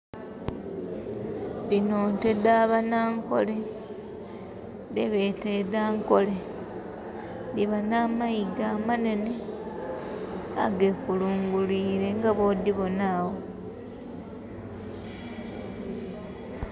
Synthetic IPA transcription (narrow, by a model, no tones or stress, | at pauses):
linoːntedaːβanaːŋko̞̰le | deβeteðaːŋko̞le | diβanaːmaiɡaːmane̞ne | a̰ɡefuluːŋɡuliːɾe̞ŋɡaβod̪iβo̞naːwo